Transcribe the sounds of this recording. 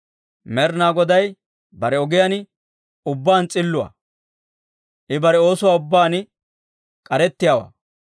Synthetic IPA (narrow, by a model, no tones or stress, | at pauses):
mɛɾnaːɡɔd̪ɐj | bɐɾɛɔɡɪjan | ʊbːaːnt͡sʼɪlːʊwa̰ | ʔɪbɐɾɛo̞ːsʊwaːʊbːaːn | kʼɐɾɛt̪ːɪjawa̰ː